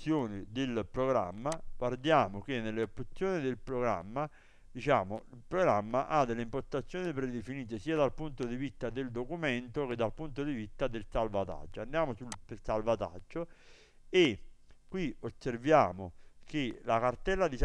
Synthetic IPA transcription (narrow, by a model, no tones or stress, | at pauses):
joːnɪd̪elpɾoɡɾa̰mːaɡward̪jaːmok̟enːelːɪopːut̪sːjoːnid̪ɪlpɾoɡɾa̰mːa | d̪it͡ʃaːmoilpɾoɡɾamːaʔad̪elːeimpost̪at̪sːjoːnipɾed̪efiniːt̪̬esiːad̪alpunt̪od̪ivist̪ːad̪ɪld̪okument̪oked̪ːalpunt̪od̪ivist̪ad̪elsalvat̪a̰d͡ʒːoand̪jaːmosulpelsalvat̪a̰d͡ʒːo | ekwiosːervjaːmokelakart̪ɛlːad̪is